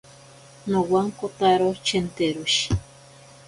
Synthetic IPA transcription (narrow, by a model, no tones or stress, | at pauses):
nowaŋkot̪aɾot͡ʃent̪eɾuʃ